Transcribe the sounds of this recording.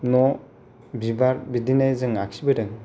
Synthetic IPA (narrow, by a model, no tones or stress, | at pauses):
nɔ | bibaɾbidinezɯŋak̚sibɯdɯŋ